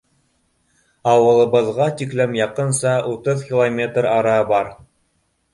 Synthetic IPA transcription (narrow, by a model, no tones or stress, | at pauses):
ɑwɤ̆lˠɤ̆bɤ̆ðʁɑt̪iklæmjɑqɤ̆nsɑʔut̪ɤðkʲilˠomʲe̞t̪rɑɾɑbɑɾ